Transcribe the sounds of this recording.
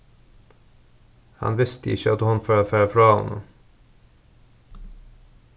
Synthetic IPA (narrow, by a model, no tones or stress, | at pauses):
hɑ̰nʋɪst̪əɪ̰çəɑt̪hʊnføːɑfæːɾəfɾɑːɔ̰nʔə̰